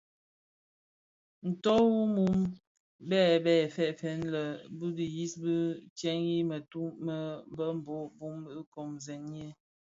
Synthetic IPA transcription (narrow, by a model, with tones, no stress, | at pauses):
n̩˨tɔ˦wu˦mu˨˦m | bɛː˦˨bɛː˦˨fɛ˦˨ʔfɛ˨˦nlə˨bɨ˦ɡi˨ji˦sbə˦t͡ʃjɛ˦ŋji˦mə˨tu˦mə˦m˦bə˦m̩˨bɔ˨˦bu˦mbkɔ˨mzɛ˨ne˦